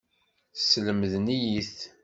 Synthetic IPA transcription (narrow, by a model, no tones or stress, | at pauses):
sləməðnijiθ